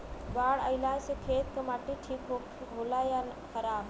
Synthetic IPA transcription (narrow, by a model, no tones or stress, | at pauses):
baːɽəɪlajsekʰeːt̪kəmaːʈiʈʰiːkɦokɡʱoːlaja | xʰəɾaːb